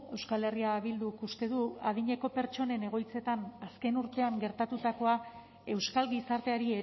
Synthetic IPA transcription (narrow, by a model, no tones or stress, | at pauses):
e̞wskale̞riaβild̪ukust̪e̞ðuað̞iɲe̞ko̞pe̞ɾt͡ʃo̞ne̞ne̞ɣ̞o̞jt͡se̞t̪anaske̞nuɾt̪e̞aŋɡe̞ɾt̪at̪ut̪ako̞a | e̞wskalɣisaɾt̪e̞aɾie